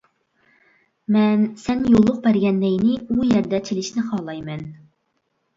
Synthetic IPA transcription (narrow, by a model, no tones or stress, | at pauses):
mɛnsɛnjolˠːʊq̚bɛɾɡʲɛnːɛjnɪujɛɾd̪ɛt͡ʃʰilɪʃnɪχɑːlˠɑjmɛn